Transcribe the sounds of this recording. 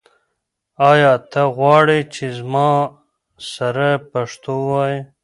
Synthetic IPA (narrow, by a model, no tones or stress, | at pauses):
aːjɑːt̪ʰɐɣwɑːɽet͡ʃʰizmɑː | sɐɾɐpɐʂt̪oːwaːje